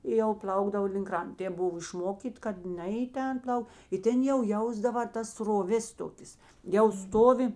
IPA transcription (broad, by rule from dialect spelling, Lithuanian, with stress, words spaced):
ɪ jɛʊ ˈplˠɐʊɡdɐʋoː lʲɪŋk ˈkrɐnt ˈtʲeːp ˈbʊʋoː ɪʃˈmoːkʲiːtʲ kɐt ˈnʲɛ ɪ ˈtʲɛn ˈplˠɐʊ ɪ ˈtʲɛn jɛʊ ˈjɛʊzdɐʋɐ tɐs sroːˈʋʲeːs ˈtoːkʲeːs jɛʊ ˈstoːʋʲɪ